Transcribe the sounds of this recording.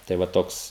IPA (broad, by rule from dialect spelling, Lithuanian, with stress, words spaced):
tɐɪ ˈʋɐ ˈtoːks